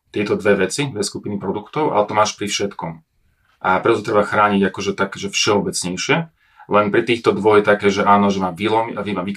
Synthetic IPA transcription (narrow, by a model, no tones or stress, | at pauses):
t̪ɪɛt̪ɔd̪ʋɛʋɛt͡sid̪ʋɛskupinipɾɔd̪ukt̪ɔʊʔa̰lɛt̪ɔmaːʃpɾifʃɛt̪kɔm | ʔapɾɛt̪ɔt̪ɔt̪ɾɛbaxɾaːɲiɟakɔʒɛt̪akɛːʒɛfʃɛɔbɛt͡sɲɛjʃɪɛ | lɛnpɾit̪iːxt̪ɔd̪ʋɔjt̪akɛːʒɛʔaːnɔʒɛmaːʋilɔmiaʋimaʋik